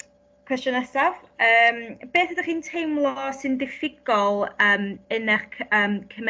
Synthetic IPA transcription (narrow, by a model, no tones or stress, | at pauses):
kʰw̥ɛstjɔnɛsavəːmb̥eːθədaχiːntʰejmlˠɔsɨndɪfɪɡ̥ɔlˠəːmənɛχkʰəːmkʰəm